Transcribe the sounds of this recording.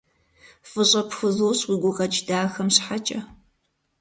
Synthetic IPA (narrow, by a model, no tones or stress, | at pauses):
fɨɕʼɐpxʷɨzoːɕwiɡʷʊʁɐt͡ʃʼdaːxɐmɕħat͡ʃʼɐ